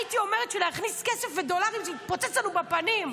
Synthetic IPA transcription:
it̪io̞me̞ʁet̪ʃeleaχniskesefved̪o̞laʁimʃeit̪̚pot͡set͡slanubepanim

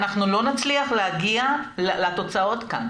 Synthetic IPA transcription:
naχnulo̞nat͡sliaχleaɡiallat̪o̞t͡sao̞t̪ka̰n

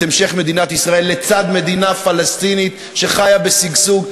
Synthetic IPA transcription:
emʃe̞χme̞d̪inat̪isʁae̞lːet͡sad̪me̞d̪inafalest̪init̪ | ʃe̞χajabesiɡsuɡ

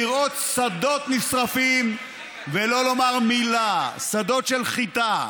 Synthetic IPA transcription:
iʁʔo̞t̪sad̪o̞t̪nisʁafim | velo̞lo̞maʁmilasad̪o̞t̪ʃelχit̪a

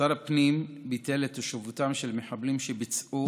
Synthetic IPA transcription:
aɾapnimbitelet̪aʃevutamʃelmeħablimʃebit͡sʔu

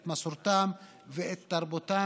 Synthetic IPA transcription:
t̪masuɾt̪aːm | vɪʔet̪ːɑɾˤbʊt̪aː

